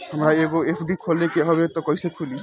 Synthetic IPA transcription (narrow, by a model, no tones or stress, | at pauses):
hamɾaeɡoepʰɖikʰolekeɦɔbet̪ɔkɔjsekʰuli